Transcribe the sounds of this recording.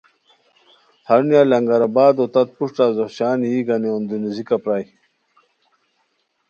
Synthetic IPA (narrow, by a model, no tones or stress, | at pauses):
hɐɾnjalɐŋɡɐɾabaːd̪ot̪ɐt̪̚puʂʈaːzoɕaːnjiːɡɐneund̪unizikapɾaːj